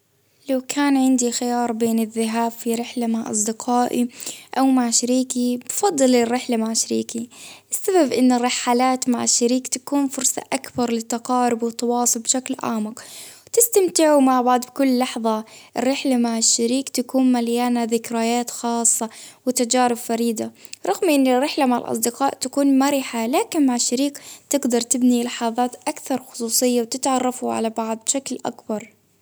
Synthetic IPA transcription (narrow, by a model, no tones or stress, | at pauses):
lawkʰaːnʕɪnd̪ixɪjɑːɾˤbeːnɪðːɪɦaːbfiɾɪħlamaʕʔɑ̰sˤd̪ɪqʰɑːʔiʔawmaʕʃaɾiːkibfɑd̪ˤːɨlɪrːɪħlamaʕʃaɾiːkiʔɪsːababʔɪnːʊrˤːɑħːalaːt̪maʕɪʃːaɾiːkt̪ḁkuːnfʊɾsa̰ʔakbɑɾˤlɪt̪ɑqɑːɾɪbwɪt̪ɑwɑːsˤʊlbʃaklʔa̰ːmɪqwt̪ɪst̪amt̪ɪʕumaʕbaʕd̪ˤbkʊlːɑħðˤɑʔɪrːɪħlamaʕɪʃːaɾiːkt̪akuːnmaljaːnaðɪkɾajaːt̪xɑːsˤːɑwɪt̪ad͡ʒaːɾɪbfaɾiːd̪aɾˤɑɣmʔɪnːɪrːɪħlamaʕɪ̰lʔɑ̰sˤd̪ɪqɑːʔt̪akuːnmaɾɪħalaːkɪnmaʕɪʃːaɾiːkt̪ɪɡd̪ɑɾˤt̪ɪbnilɪħɑːðˤɑːt̪ʔakθɑɾˤxʊ̥sˤuːsˤɨjːawt̪ɪt̪ʕɑrˤːɑfuʕa̰labɑʕd̪̚ˤbʃaklʔa̰kbɑɾˤ